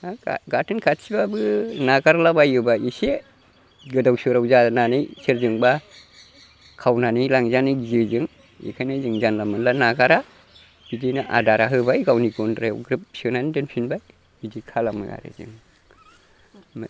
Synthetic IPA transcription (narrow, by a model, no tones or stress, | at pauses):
aa̰ɡatʰɯnkʰatsibabɯnaɡaɾlabajɯbaise | ɡɯdawsɯɾawzananɯjseɾzɯŋba | kʰawnanijlaŋzanɯjzɯzɯŋ | ḭkʰajnazɯŋzanlamɯnlanaɡaɾa | bidinaʔa̰daɾaɦɯbajɡawniɡɔndɾajɡɾip̚sɯnandɯnpʰinbaj | bidikʰalamɯ̰ja̰ɾḛzɯ̰ŋ | m